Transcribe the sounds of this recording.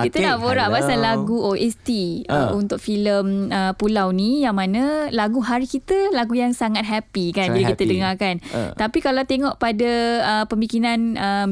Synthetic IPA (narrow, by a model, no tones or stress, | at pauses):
kit̪anaboɾaʔbasalaɡuʔoʔɛst̪iəunt̪ʊk̚filəməpulawnijaŋmãnãlaɡuɦaɾikit̪əlaɡujaŋsaŋat̪̚ɦapikanbilakit̪ədəŋakant̪apikalawt̪eŋɔʔpadaəpəmikinanə